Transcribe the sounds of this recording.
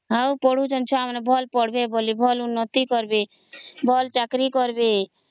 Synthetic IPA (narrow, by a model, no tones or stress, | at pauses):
ɦawpɔɽ̤ud͡ʒɔnt͡ʃʰɔamnebʱɔlpɔɽ̤bebolibʱɔlunːɔt̪ikɔɾbebʱɔlt͡ʃakɾikɔɾbe